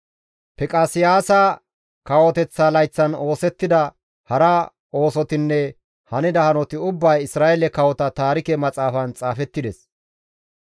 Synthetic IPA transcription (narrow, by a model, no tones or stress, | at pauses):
pɛkʼaːsɪjaːsɐ | kɐwɔt̪ɛt͡sːaːlɐjt͡sːɐno̞ːsɛt̪ːɪd̪ɐ | hɐɾɐ | o̞ːsɔt̪ɪnːɛ | hɐnɪd̪ɐhɐnɔt̪ɪʊbːɐjɪsɾaːɛlɛkɐwɔt̪ɐt̪aːɾɪkɛmɐt͡sʼaːfɐnt͡sʼaːfɛt̪ːɪd̪ɛs